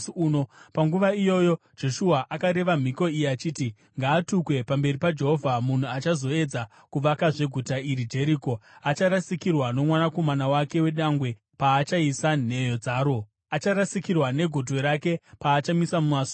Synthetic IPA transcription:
uno̞paŋɡuʋaijo̞jo | d͡ʒe̞ʃuaʔakaɾe̞ʋam̤iko̞ijiat͡ʃiːti | ŋɡaːtukwe̞pambe̞ripad͡ʒe̞ɦo̞vʱamun̤uat͡ʃazo̞e̞d͡za | kuʋakaʐe̞ɡʱutaiɾid͡ʒe̞ɾiːko̞at͡ʃaɾasikirwano̞mwanako̞manawake̞we̞ɗaŋɡwe̞ | paːt͡ʃaisan̤e̞jo̞d͡zaːɾo̞ | at͡ʃaɾasikirwane̞ɡʱodʱwe̞ɾake̞paːt͡ʃamisamumaso̥

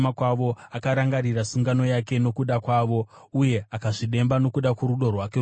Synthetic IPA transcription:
makwaʋo̞akaɾaŋɡaɾirasuŋɡano̞jake̞no̞kuɗakwaːʋo̞uje̞akaʐiɗe̞mbano̞kuɗakwuɾuɗo̞rwake

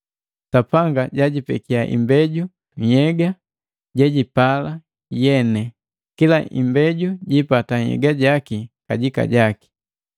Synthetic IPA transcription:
tapaŋɡaɟaɟipɛ̰kiaʔḭmbɛɟu | jɛɡa | ɟaɟipala | jɛnɛ | kilaʔḭmbɛɟuɟipataɲhɛ̰ɡaɟakikaɟika̰ɟaki̥

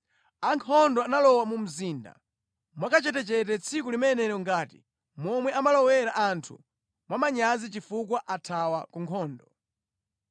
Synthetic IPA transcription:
aŋkʰɔndɔanalɔwamum̩ziːnda̰ | mwakat͡ʃɛtɛt͡ʃɛtɛt͡sʰikulimɛnɛɾɔŋɡaːtḭ | mɔmwɛamalɔwɛɾaʔantʰṵ | mwamaɲazit͡ʃifuk̬waʔatʰawakuŋkʰɔːndɔ

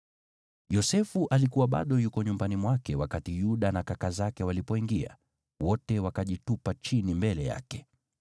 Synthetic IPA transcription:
jɔsɛfuʔalikuwaɓa̰ɗɔjukɔɲumbanimwakɛwakatijuɗanakakazakɛwalipɔiŋɡia̰ | wɔtɛwakaʄitupat͡ʃinimbɛlɛja̰kɛ

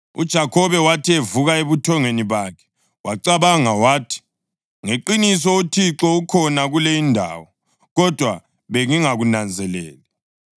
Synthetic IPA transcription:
ṵd̥ʒ̥ʱakʰɔβɛwatʰievuɣaeβutʰɔŋeniβaːkʰɛ̥ | wʔaǀaβaŋawaːtʰi̥ | ŋeǃinis̬ɔutʰiǁɔukʰɔnaɣulejindʱa̰ːwɔ | ɣɔd̥ʱwa | βeŋiŋaɣunand͡zʱɛlɛ̰ːlɛ

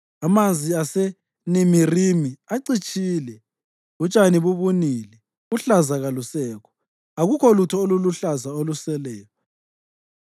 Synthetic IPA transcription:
amand͡zʱiasɛ | nimirimiaǀit͡ʃʼiːlɛ | ut͡ʃʼaniβuβunilɛ | uɬazaɣalusɛːkʰɔ̥ | aɣukʰɔlutʰɔoluluɬazaolusɛlɛːjɔ

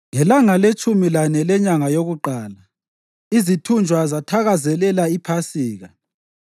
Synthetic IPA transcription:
ŋɛlaŋalet͡ʃʼumilanɛlɛɲaŋajoɣuǃaːla | izitʰund͡ʒʱwazatʰaɣazɛlɛlaipʰasiːɣa

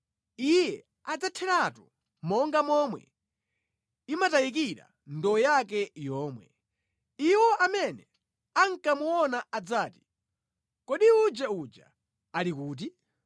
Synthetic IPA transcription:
ijɛ | ad͡zatʰɛɾatu | mɔŋɡamɔmwɛ̰ | imatajik̬iɾa̰ | ndɔɔjak̬ɛjɔːmwɛ̰ | iwɔʔamɛnɛ | aŋ̩kamuɔnaad͡zaːti̥ | kɔɗiud͡ʒaud͡ʒa̰ | alikuːt̬i

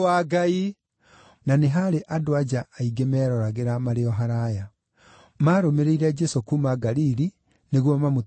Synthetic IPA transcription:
waɡai | naneɦaɾeʔadoad͡ʒaːiɡemɛːɾɔɾaɣeɾamaɾeɔɦaɾaja | maːɾomeɾeiɾɛd͡ʒɛsokumaɡaɾiɾi | neɣwɔmamo

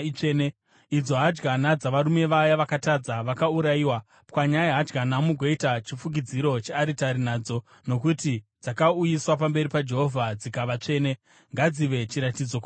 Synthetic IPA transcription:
t͡ʂene | id͡zo̞ɦad͡ʒɡanad͡zaʋaɾume̞ʋajaʋakatad͡zaʋakauɾajiːwa | pwaɲajeɦad͡ʒɡanamuɡʱo̞itat͡ʃifuɡid͡ziɾo̞t͡ʃeaɾitaɾinaːd͡zo̞ | no̞kutid͡zakaujiswap̬ambe̞ɾipad͡ʒe̞ɦo̞vʱad͡zikaʋat͡ʂe̞ːne̞ | ŋɡad͡ziʋe̞t͡ʃiɾatid͡zo̞kː

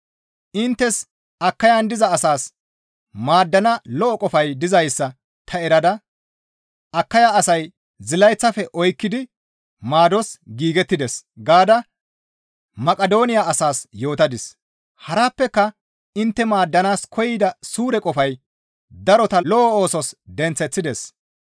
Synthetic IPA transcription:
ʔɪnt̪ːɛs | ɐkːɐjand̪ɪzɐːsaːs | maːd̪ːɐnɐlɔʔɔkʼɔfɐjd̪ɪzɐjsːɐ | t̪ʰɐɛɾɐd̪ɐ | ɐkːɐjaɐsɐj | zɪlɐjt͡sːɐfɛʔɔjkːɪd̪ɪ | maːd̪ɔsɡiːɡɛt̪ːɪd̪ɛsɡaːd̪ɐ | mɐkʼɐd̪o̞ːnɪjaɐsaːsjo̞ːt̪ɐd̪ɪs | hɐɾaːpːɛkːɐ | ɪnt̪ːɛmaːd̪ːɐnaːskʰɔjɪd̪ɐsuːɾɛkʼɔfɐj | d̪ɐɾɔt̪ɐlɔʔɔo̞ːsɔsd̪ɛnt͡sːɛt͡sːɪd̪ɛs

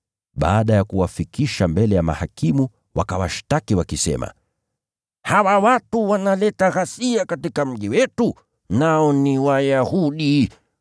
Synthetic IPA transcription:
ɓa̰ːɗajakuwafikiʃambɛlɛjama̰hakimu | wakawaʃtakiwakisɛ̰ma̰ | hawawatuwanalɛtaɣasiakatikam̩ʄiwɛtu | naɔniwajahuɗi

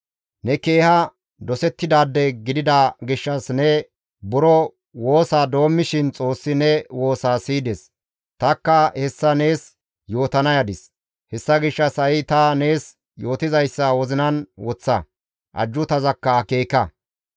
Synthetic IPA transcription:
nɛke̞ːhɐ | d̪ɔsɛt̪ːɪd̪aːd̪ːɛɡɪd̪ɪd̪ɐɡɪʃːɐsnɛ | bʊɾɔ | wo̞ːsaːd̪o̞ːmːɪʃɪnt͡sʼo̞ːsːɪnɛwo̞ːsaːsiːd̪ɛs | t̪ɐkːɐhɛsːɐne̞ːs | jo̞ːt̪ɐnɐjɐd̪ɪs | hɛsːɐɡɪʃːɐsɐɪt̪ɐneːs | jo̞ːt̪ɪzɐjsːɐwɔzɪnɐnwɔt͡sːɐ | ʔɐ̰d͡ʒːʊt̪ɐzɐkːɐːke̞ːkɐ

